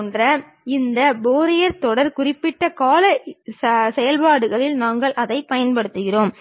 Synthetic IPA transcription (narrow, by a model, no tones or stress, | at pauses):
ndrɐ | ɪnd̪ɐboːɾɪjɐɾt̪ɔɽɐɾkʊrɪpːɪʈːɐkaːlɐ | sɛjɐlpaːɽɯɣɐɭɪlnaːŋɡɐɭʔɐðɐɪpɐjɐnpɐɽɯt̪ːɯɣɪroːm